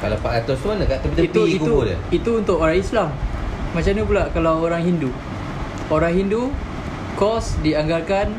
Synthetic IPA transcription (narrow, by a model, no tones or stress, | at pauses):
kalapaʔat̪osuanãkaʔt̪əit̪it̪uikuudə̰it̪uːnt̪ʊʔoɾaislammat͡ʃamnup̬ulaʔkalawoɾaŋɦindu | oɾaŋɦindu | kɔsdiaŋɡalkan